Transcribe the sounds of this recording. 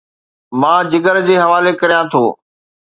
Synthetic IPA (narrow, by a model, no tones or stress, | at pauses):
mãːd͡ʑɪɡəɾd͡ʑeːɦɐʋaːlekɐɾijãt̪ʰoː